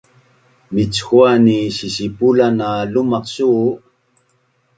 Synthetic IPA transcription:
mit͡sxuaniɕiɕipulanalumɑqɕu

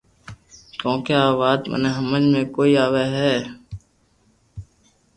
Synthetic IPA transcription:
kõːkeaːʋaːd̪mə̰neɦəməd͡ʒmẽːkoːiːaːʋeɦɛː

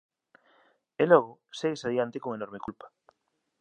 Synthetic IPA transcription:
eloɣ̞oseɣesaðiant̪ekoŋenoɾmekulpḁ

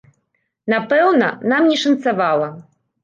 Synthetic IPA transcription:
napɛwnɐnamnʲɛʂɐnt̪savalˠɐ

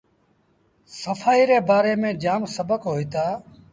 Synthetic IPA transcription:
səfʰaːiːɾeːbaːɾeːmẽːd͡ʒaːmsəbəkɦoːiːt̪aː

